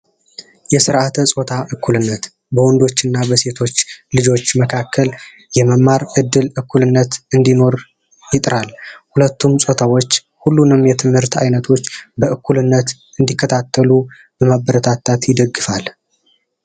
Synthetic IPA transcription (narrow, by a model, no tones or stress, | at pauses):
jɛsɨɾʔat̪ʰəsʼo̞t̪ʰaʔɨkʰːulɨnːət̪ | bəwɔnd̪o̞t͡ʃːɨnːabəse̞t̪ʰo̞t͡ʃːlɨd͡ʒo̞t͡ʃːməkʰakʰːəl | jɛməmːaɾʔɨd̪ːɨlɨkːulɨnːət̪ɨnd̪ino̞ɾ | jɪt̪ʼɾalhulət̪ːumsʼo̞t̪ʰawo̞t͡ʃː | hulːunɨmjɛt̪ʰɨmhɨɾt̪ʰa̰jnət̪ʰo̞t͡ʃːbəʔɨkʰːulɨnːət̪ | ɨnd̪ikːət̪ʰat̪ʰːəlu | b̥əmabəɾət̪ʰat̪ʰːat̪jɪd̪əɡːɨfal